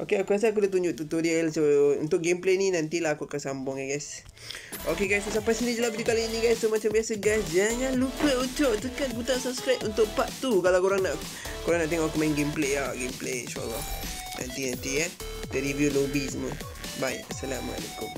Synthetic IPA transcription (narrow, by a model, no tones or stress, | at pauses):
ʔokeakuas̬əak̬ulat̪uɲd͡ʒʊʔt̪ut̪odiɛlsoṵnt̪ʊʔ̚ɡempleninant̪ilaɦakuakansambʊŋaɡajs | ʔokeɡajsusapasinid͡ʒəlahbdikaliinĩɡajst̪omat͡ʃambiasəɡasd͡ʒaŋãnlukəʔut͡ʃoʔt̪əkanbut̪aŋsapskɾat̪unt̪ʊʔpaʔt̪ːukalawkoɾaŋnaʔ | koɾãŋnaʔt̪eŋɔʔakumaĩŋɡempleaɡempleʃua̰lːɔ | nã̰nt̪inant̪ia | dəɾivjulobisəmə̰ | baj̰ʔasalama̰a̰lḛkʊm